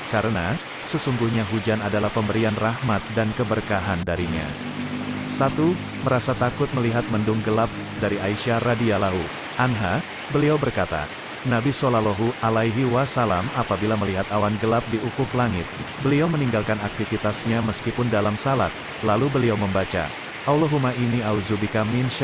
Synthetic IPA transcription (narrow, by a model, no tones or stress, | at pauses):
kaɾəna | səsuŋɡuhɲaɦud͡ʒanadalahpəmbəɾianrahmat̪̚dankəbərkaɦandaɾiɲa̰ | sat̪u | məɾasat̪akʊt̪̚məliɦat̪̚məndʊŋɡəlap̚ | daɾiaiʃaradialaɦu | ʔanɦa | bəliawbərkat̪a̰ | nabisolaloɦuʔalaiɦiwasalamapabilaməliɦat̪awanɡəlap̚diukʊklaŋɪ̰t̪̚bəliawməniŋɡalkanak̚t̪ifit̪asɲaməskipʊndalamsala̰t̪̚ | lalubəliawməmbat͡ʃa̰ | ʔawloɦumaʔiniauzubikaminʃ